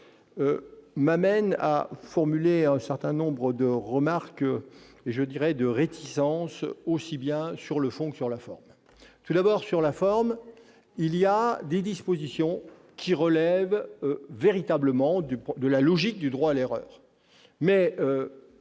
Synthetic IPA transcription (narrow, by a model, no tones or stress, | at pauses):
ømamɛna̰fɔʁmyleɛ̃sɛʁt̪ɛ̃nɔ̃bʁəd̪əʁəmaʁk | eʒəd̪iʁɛd̪əʁet̪ʰisɑ̃sosibjɛ̃syʁləfɔ̃kə̥syʁlafɔ̰ʁm | t̪ud̪abɔʁsyʁlafɔʁm | ilijad̪ed̪ispozisjɔ̃ | kʲʰiʁəlɛvveʁit̪abləmɑ̃d̪ypd̪əlalɔʒik̚d̪yd̪ʁwaːleʁœ̰ːʁ | mɛø